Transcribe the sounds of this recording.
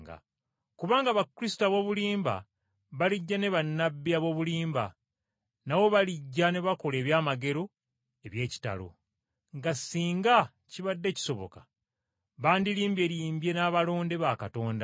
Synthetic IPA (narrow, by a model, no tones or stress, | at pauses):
ɡa̰ | kuβaːŋɡaβakɾisi̥taβo̞ːβuliːmba̰ | βaliɟːane̞βanːabːiaβo̞βuliːmba̰ | nawo̞βaliɟːane̞βako̞le̞ːβjaːmaɡe̞ɾo̞ | e̞βje̞ːci̥ta̰lo̰ | ŋɡasːiːŋɡa | ciβadːe̞ːci̥so̞βo̰kḁ | βaːndiɾiːmbe̞ːɾiːmbje̞naːβalo̞ːnde̞βakato̞ːnda